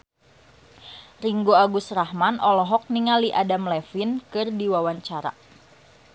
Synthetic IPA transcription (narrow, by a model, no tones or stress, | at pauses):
riŋɡoaɡusrahmanɔlɔɦɔk̚niŋaliʔadamlɛfinkɨrdiwawaɲt͡ʃaɾa̰